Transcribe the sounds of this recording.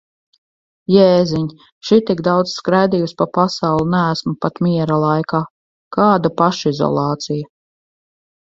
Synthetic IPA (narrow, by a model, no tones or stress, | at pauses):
jɛːziɲ | ʃit̪iɡd̪awd̪z̥skɾajd̪ijuspapasɑwlˠunæːsmupat̪miɛɾalˠajkaː | kaːd̪apaʃizɔ̰lˠɑːt̪sija